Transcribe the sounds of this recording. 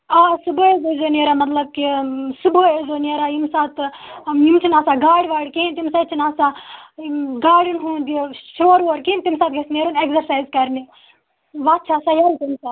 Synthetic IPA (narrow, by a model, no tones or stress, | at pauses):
aːsuboezozoːneɾamɐt̪lɐb̚kisuboezonieɾajimsaːt̪imt͡ʃʰinaːsaːɡaːɽʋaːɽkiint̪imsat͡ʃʰinaːsa | ɡaːɽinɦuːd̪iʃoːɾʋoːɾkiint̪imsaːt̪̚ɡɐsneɾunekzɐɾsaːjzkɐɾni | ʋaːt̪̚t͡ʃʰasajait̪imsaːt̪